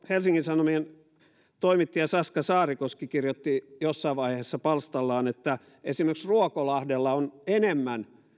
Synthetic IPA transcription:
helsiŋkinsɑnomien | t̪oimit̪ːiɑsɑskɑsɑːrikoskikirjot̪ːijosːɑiʋɑiheheːsːɑpɑlst̪ɑlːɑːnet̪ːæ | esimerksruokolɑhdelːɑonenemːæn

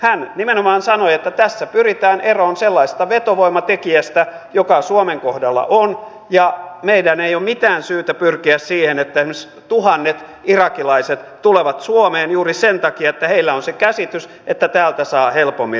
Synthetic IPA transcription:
hænnimenomɑːnsɑnoiet̪ːæt̪æsːæpyrit̪æːnʔeroːnselːɑise̥st̪ɑʋet̪oʋoimɑt̪ekiæst̪æ | jokɑsuomeŋkohdɑlːɑ̰ʔon | jɑmeidæneijomit̪æːnsyːt̪æpyrkiæssiːhenet̪ːæihms | t̪uhɑnːet̪ | irɑkilɑiset̪t̪uleʋɑt̪suomeːnjuːrisent̪ɑkiɑet̪ːæheilːæonsekæsit̪ys | et̪ːæt̪æːlt̪æsɑːhelpomːi

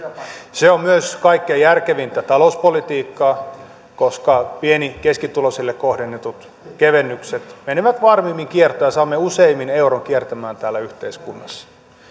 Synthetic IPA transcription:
seommyøskɑikːeːjærkeʋint̪æt̪ɑlouspolit̪iːkːɑː | koskɑpienikeskit̪ulosilːekkohdenːet̪ut̪ | keʋenːykset̪meniʋæt̪ʋɑrmiːmːiŋkiert̪ojɑsɑːmːeuseimːineuroŋkiert̪æmæːnt̪æːlːæyht̪eiskunːɑsːɑ̥

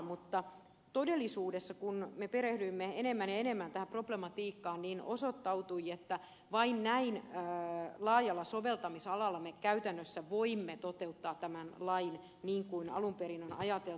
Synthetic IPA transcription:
mut̪ːɑ | t̪odelːisuːdesːɑkunmepeɾehdyimːeenemːænjɑenemːænt̪æhæproblemɑt̪iːkːɑːnniːnosot̪ːɑut̪uiet̪ːæ | ʋɑinnæinː | lɑːjɑlːɑsoʋelt̪ɑmisɑlɑlːɑmekæyt̪ænːøsːæʋoimːet̪ot̪eut̪ːɑːt̪t̪æmænlɑin | niːŋkuinɑ̰lumperinonɑ̰jɑt̪el

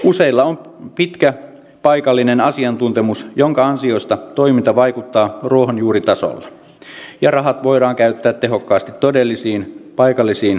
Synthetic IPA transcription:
use̞ilːɑom | pit̪kæ | pɑjkɑlːinenɑsiɑnt̪unt̪emusjo̞ŋkɑɑnsio̞ist̪ɑt̪o̞jmint̪ɑʋɑjkut̪ːɑːruoɦonjuːɾit̪ɑso̰lːɑ | jɑrɑɦɑt̪ʋo̞jɾɑːŋkæyt̪ːæːt̪tːe̞ɦo̞kːɑːst̪it̪ːodelːisiːnpɑjkɑlːisiːn

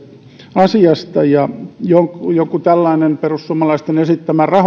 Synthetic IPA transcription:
ɑsiɑst̪ɑjɑjokjokut̪ælːɑinemperussuomɑlɑist̪enesit̪ːæmærɑh

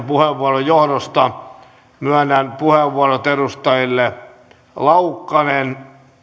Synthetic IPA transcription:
puheʋːuɑrojjohɾost̪ɑ | myænːænpuheʋːuɑrot̪erust̪ɑjilːe | lɑukːɑnen

